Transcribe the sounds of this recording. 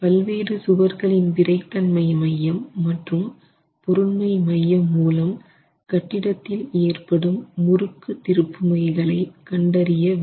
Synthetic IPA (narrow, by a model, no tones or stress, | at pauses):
pɐlʋeːɾɯsʊʋɐɾɣɐɭɪnpɪɾɐɪt̪ːɐnmɐɪmɐjːɐmːɐʈrɯm | pɔɾɯɳmɐɪmɐjːɐmːuːlɐm | kɐʈːɪɽɐt̪ːɪleːrpɐɽɯmːʊɾɯkːɯt̪ɪɾɯpːɯmɐɪɣɐɭɐɪkɐɳɖɐɾɪjɐʋ